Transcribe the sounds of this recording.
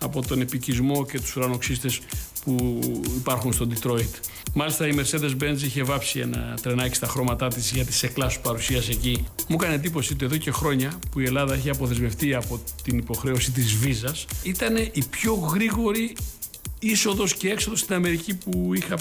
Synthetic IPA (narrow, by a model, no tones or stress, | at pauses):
ɐpo̞t̪o̞ne̞picizmo̞ce̞t̪u̥suɾɐno̞ksist̪e̞spuipɐɾxunst̪o̞d̪it̪ɾo̞it̪ | mɐlist̪ɐime̞ɾse̞ðe̞zbe̞nziçe̞vɐpsie̞̰nɐ̰t̪ɾe̞nɐci̥st̪ɐxɾo̞mɐt̪ɐt̪izʝɐt̪i̥se̞klɐsu̥pɐɾusiɐse̞cimukɐnend̪ipo̞sit̪eðoce̞xɾo̞ɲɐpuie̞lɐðɐeçiɐpo̞θe̞zmeft̪iɐpo̞t̪inipo̞xɾe̞o̞sit̪̬izvizɐsit̪ɐne̞ʔipço̞ɣɾiɣo̞ɾi | iso̞ðo̞sce̞e̞kso̞ðo̞st̪inɐme̞ɾicipuixɐ